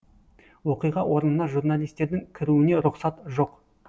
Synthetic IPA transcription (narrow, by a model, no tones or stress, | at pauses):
wo̞qijʁɑwʔo̞ɾənənɑʒuɾnalʲˠijst̪e̞ɾd̪ɪŋkʲʰɪɾuɪne̞ɾʊqsɑt̪ʒo̞q